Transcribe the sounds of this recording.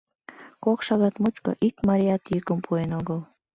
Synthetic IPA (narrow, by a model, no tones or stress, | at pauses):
kokʃɑɣɑt̪mut͡ʃko̰ʔikmɑɾiɑt̪jykəmpʰuenoɣəl